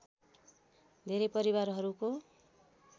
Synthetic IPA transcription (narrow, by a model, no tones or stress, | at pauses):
d̪ʱeɾʌpʌɾibarɦʌɾuko